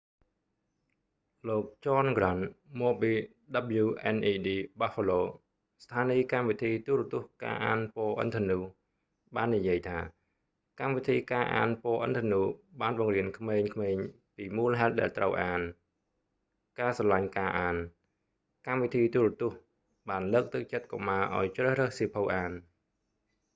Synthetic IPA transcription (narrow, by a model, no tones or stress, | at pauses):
loːk̚t͡ɕɑːnɡranmoːɓiː | ɗaɓəluːʔɛnʔiːɗiːɓaːfoloː | st̪ʰaːniːkamʋit̪ʰiːt̪uːɾət̪ʊ̆əhka̰ːʔaːnpoːʔə̰nt̪ʰənuː | ɓaːnːijiəjt̪ʰaː | kamʋit̪ʰiːkaːʔa̰ːnpoːʔə̰nt̪ʰənuːɓaːnɓɑŋriənkʰmeːɲkʰmeːɲ | piːmuːlɦaɛt̪̚ɗa̰ɛlt̪rəwʔaːn | kaːsɑlaɲkaːʔaːn | kamʋit̪ʰiːt̪uːrət̪ŭəh | ɓaːnləːk̚t̪ɨk̚t͡ɕət̪̚ko̰maːʔa̰ɔjt͡ɕrəːhrəːhsiːpʰowʔaːn